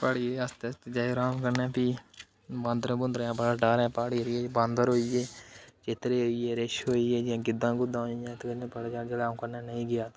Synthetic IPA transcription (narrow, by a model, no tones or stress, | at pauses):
paɽiəst̪est̪ed͡ʒaːeɾaːmkəɾnɛ̃ːpiː | bãːnd̪ɾẽːbʊnd̪ɾãːbəɽaːɖaːɾɛ̃ːpaːɽiːɾieːbãːnd̪əɾɦoːieːt͡ʃɪt̪ɾeːɦoːieːɾɪʃɦoːiːeːd͡ʒãːɡɪd̪ãːɡʊd̪ãːɦojãːt̪kənẽːpəɽd͡ʒaːd͡ʒɪlaːmkəɾnaːnəĩːɡɪjaːt̪ː